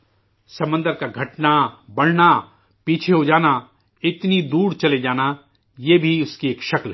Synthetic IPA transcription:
sɐ̃mə̃nd̪əɾkaɡʱɐʈnabɐɽ̤na | piːt͡ʃʰeɦod͡ʒaːna | ɪt̪nid̪uːɽt͡ʃɐled͡ʒaːna | jeːbʱiʊskieːkʃɐkl

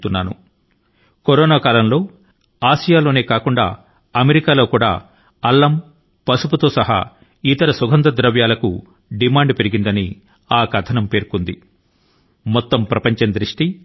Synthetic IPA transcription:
t̪unːaːnṵ | koɾoːnaːkaːlɐmlo̞ː | aːʃijaːlo̞ːne̞ːkaːkuɳɖa̰ː | ɐmeɾikaːlo̞ːkuːɽa̰ː | ɐlːɐm | pɐsuput̪o̞ːsɐɦa̰ː | it̪ɐɾɐsuɡʱɐnd̪ɐd̪ɾɐʋjaːlɐku | ɖimaːɳɖpeɾiɡind̪ɐni | aːkɐt̪ʰɐnɐmpe̞ːɾkund̪ḭ | mɔt̪ːɐmpɾɐpɐɲt͡ʃɐnd̪ɾiʂʈi

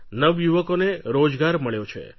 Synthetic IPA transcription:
nəʋjuʋəkoneɾod͡ʒɡaɾməɭjot͡ʃʰḛ

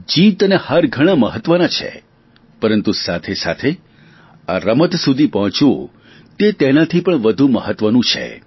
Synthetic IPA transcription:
d͡ʒit̪ənehəɾɡʱəɽ̃aməɦət̪ːʋənat͡ʃʰḛ | pəɾənt̪usat̪ʰesa̰t̪ʰe | a̰ɾəmət̪sud̪ʱipəɦɔ̃t͡ʃo | t̪et̪enat̪ʰipəɳʋəd̪ʱuməɦət̪ːʋənũt͡ʃʰḛ

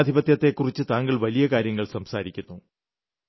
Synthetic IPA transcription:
d̪ʱibɐt̪jɐt̪ːe̞kːurit͡ɕːɨt̪aːŋɡɐɭʋɐlijɐkaːɾjɐŋːɐɭsɐmsaːɾikʲːunːu

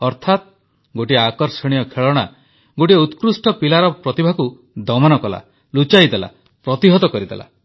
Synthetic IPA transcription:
ɔɾt̪ʰat̪̚ | ɡoʈiakɔɾsɔɽ̃ijɔkʰeɭɔɽ̃a | ɡoʈieut̪kɾusʈɔpilaɾɔpɾɔt̪ibʱaku | d̪ɔmanɔkɔla̰ | lut͡ʃajd̪ela̰ | pɾɔt̪iɦɔt̪ɔkɔɾid̪ela̰

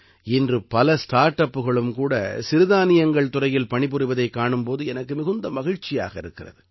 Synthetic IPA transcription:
ɪndrɯpɐlɐsʈaːɾʈːɐpːɯɣɐɭɯmkuːɽɐ̰sɪɾɯðaːnɪjɐŋɡɐɭt̪ʊrɐjɪlpɐɳɪpɯɾɪʋɐðɐɪkːaːɳɯmpoːðɯɛnɐkːɯmɪɣɯnd̪ɐmɐɣɪɻt͡ʃːɪja̰ːɣɐɪɾɯkːɪrɐ̰ðɯ

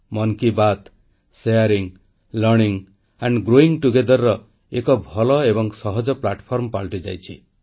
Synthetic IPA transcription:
mɔnkibat̪ | sejaɾiŋ | lɔɾɽiŋ | aɳɖɡɾoiŋʈuɡed̪ɔɾːɔ | ekɔbʱɔlɔebɔŋsɔɦɔd͡ʒɔplaʈpʰɔɾmpaɭʈid͡ʒa̰jt͡ʃʰi

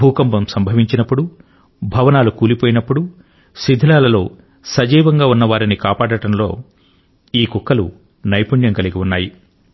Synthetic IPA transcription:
uːkɐmbɐmsɐmbʱɐʋiɲt͡ʃinɐpːuɽu | bʱɐʋɐnaːlukuːlipoːjinɐpːuɽu | sid̪ʱilaːlɐlo̞ː | sɐd͡ʒiːʋɐŋɡaːunːɐʋaːɾinikaːpaːɽɐʈɐmlo̞ː | iːkukːɐlṵ | nɐjpuɳjɐŋkɐliɡiunːaːji

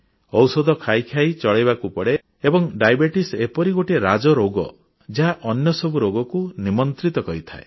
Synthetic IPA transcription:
ɔwsɔd̪ɔkʰajkʰjajt͡ʃɔɭeβakupɔɽe | ebɔŋɖajbeʈisepɔɾiɡoʈeɾad͡ʒɔɾoɡɔ̰ | d͡ʒeɦaʔɔnjɔsɔbuɾoɡɔkunimɔnt̪ɾit̪ɔkɔɦit̪ʰae

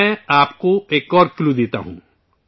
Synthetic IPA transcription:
ɛ̃aːpkoeːkɔːɾklud̪eːt̪a̰ɦṵ̃ː

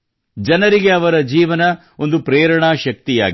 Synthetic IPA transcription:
d͡ʒɐnɐɾiɡe̞ɐʋɐɾɐd͡ʒiːʋɐnɐ | o̞nd̪upɾeːɾɐɳaʃɐk̚t̪ija̰ːɡ

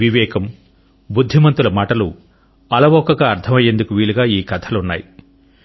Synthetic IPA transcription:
ʋiʋɛːkɐm | bud̪ʱːimɐnt̪ulɐmaːʈɐlṵ | ɐlɐʋɔːkɐɡaːɐɾt̪ʰɐmɐjːe̞nd̪ukuʋiːɭuɡaːiːkɐt̪ʰɐlunːa̰ːji

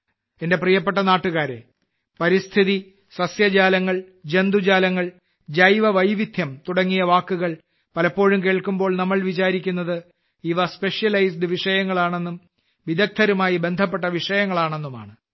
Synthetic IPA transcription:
ende̞prijɐp̬ːe̞ʈːɐnaːʈːuɣaːɾe̞̰ | pɐɾist̪ʰiði | sɐsjɐd͡ʑaːlɐŋːɐɭ | d͡ʑe̞nd̪ud͡ʑaːlɐŋːɐɭ | d͡ʑɐjʋɐʋɐjʋit̪ʰjɐmt̪uɽɐŋːijɐʋaːkːuɣɐɭ | pɐlɐpːo̞ːɻumkeːɭkːumbo̞ːɭnɐmːɐɭʋit͡ɕaːɾikʲːunːɐðɨ | iʋɐspe̞ʂjɐlɐjsɖɨʋiʂɐjɐŋːɐɭaːɳe̞nːum | ʋid̪ɐk̚t̪ʰɐɾumaːjibe̞nd̪ʱɐp̬ːe̞ʈːɐʋiʂɐjɐŋːɐɭaːɳe̞nːuma̰ːɳɨ

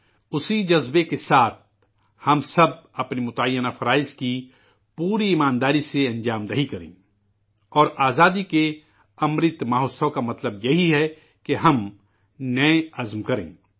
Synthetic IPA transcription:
ʊsid͡ʒɐzbekesaːt̪̚ʰ | hɐmsɐb̚ɐpnimʊt̪əjːənafɐɾaːɪzki | puːɾiːmaːnd̪aːɾiseɐ̃nd͡ʒaːmd̪ɐɦikɐɾḛ̃ː | ɔːɾaːzaːd̪ike | ɐmɾɪt̪maːɦoːsɐkamɐt̪ləbjɐɦiɦɛ | keɦɐm | nɐeɐzmkɐɾḛ̃ː

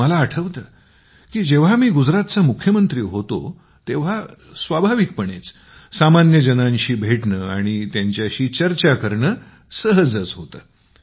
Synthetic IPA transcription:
məlaːʈʰəʋt̪əː | kiːd͡ʑeʋ̤amiːɡud͡zɾat̪t͡samukʰːjəmənt̪ɾiːɦot̪o̰ | t̪eʋ̤asʋabʱaʋik̚pəɳet͡s | samanjəd͡ʑənãɲɕiːbʱeʈɳəːaɽ̃it̪jaɲt͡ɕjaɕiːt͡ɕəɾt͡ɕakəɾɳəː | səɦəd͡zət͡sɦot̪əː

